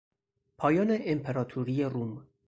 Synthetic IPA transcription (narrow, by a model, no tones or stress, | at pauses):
pʰɒːjɒːneʔempʰeɾɒːt̪ʰuɾijerum